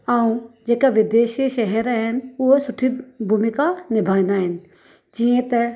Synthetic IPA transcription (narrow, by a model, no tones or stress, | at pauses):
aũd͡ʒeːkaʋɪd̪eːʃeʃɛɦɛɾɦɛnʊɦsʊʈʰibʱuːmɪkanɪbʱaːnaɦɛn̆ | d͡ʒiẽt̪ɛ